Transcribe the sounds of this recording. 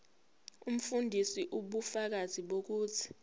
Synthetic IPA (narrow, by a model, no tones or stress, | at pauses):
um̩fundʱisiʔuɓufak̬azʱiɓok̬uːtʰi̥